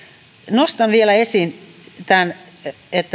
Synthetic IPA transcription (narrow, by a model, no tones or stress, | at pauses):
nost̪ɑnʋielæesin | t̪æn | et̪ː